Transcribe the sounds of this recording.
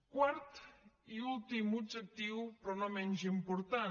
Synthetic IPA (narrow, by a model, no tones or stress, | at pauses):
kwaɾt̪iulˠt̪imud͡ʒek̚t̪iwpɾɔnɔmɛnzimpuɾt̪a